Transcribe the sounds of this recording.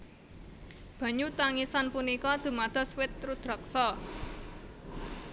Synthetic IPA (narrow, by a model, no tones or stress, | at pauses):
b̥ä̤ɲut̪aŋisanpunikɔd̪̥ṳmad̪̥ɔ̤swɪt̪ːɾud̪̥ɾɔk̚sɔ